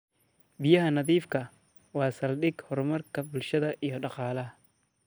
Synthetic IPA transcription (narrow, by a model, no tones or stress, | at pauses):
bɪjɐɦɐnɐðiːfkʰɐ | wɑːsɐlɖɪɡhɔrmɐrkʰɐbʊlʃɐðɐʔijɞɖɑqɑːlɐɦɐ